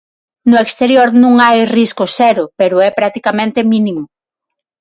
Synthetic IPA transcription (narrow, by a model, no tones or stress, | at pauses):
nʊekst̪eɾjoɾnũŋajriskosɛɾʊpeɾʊɛpɾak̚t̪ikamẽnt̪emĩnimo